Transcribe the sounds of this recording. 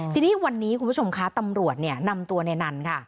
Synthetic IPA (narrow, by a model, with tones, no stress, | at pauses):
t͡ɕ̪ʰi˧niː˦˥wa˧nːiː˦˥kʰu˧pʰu˦˥t͡ɕʰo˧mkʰa˦˥t̪a˧mɾu˨˩ət̪̚ni˥˩ɐna˧mt̪u˧ɐna˧jna˧nkʰa˥˩